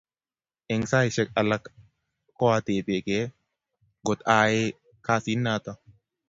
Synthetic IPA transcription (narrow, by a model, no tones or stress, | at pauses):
ʔɛŋsaːɪʃɛkʼɐlɐk | kːɔwat̪eːbeːkeː | ɡɔt̪aːjeː | kaːsiːnːaːt̪ɐ